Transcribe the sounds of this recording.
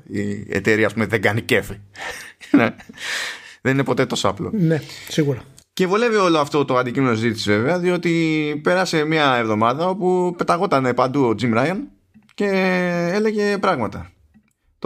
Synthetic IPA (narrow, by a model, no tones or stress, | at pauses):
ḭḛt̪eɾiɐspumeðeɡɐnice̞fi | nɐ | ðeninepo̞t̪e̞t̪o̞soɐ̰plo̞̰nesiɣuɾɐ | cevulevio̞loɐft̪o̞t̪oɐnd̪icime̞noszit̪isizve̞ve̞ɐðio̞t̪ipe̞ɾɐse̞miɐevðo̞mɐðɐo̞pupe̞t̪ɐɣo̞t̪ɐne̞pɐnd̪uod͡zimɾɐjon | ce̞e̞le̞ʝe̞pɾɐɣmɐt̪ɐ | t̪